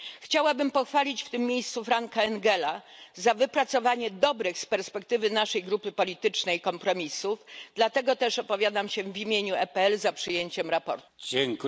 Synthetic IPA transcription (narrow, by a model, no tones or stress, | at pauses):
xt͡ɕawabɘmpɔxfalʲit͡ɕft̪ɘmːʲejst̪sufɾaŋkaɛŋɡɛla | zavɘpɾat̪sɔvaɲɛd̪ɔbɾɘxspɛɾspɛk̚t̪ɘvɘnaʂɛjɡɾupɘpɔlʲit̪ɘt͡ʂnɛjkɔmpɾɔmʲisufd̪lat̪ɛɡɔt̪ɛʂɔpɔvʲjad̪amɕɛvʲimʲjeɲuɛpɛɛlzapʂɘjeɲt͡ɕɛmɾapɔ̰ɾt̪u̥d͡ʑɛŋk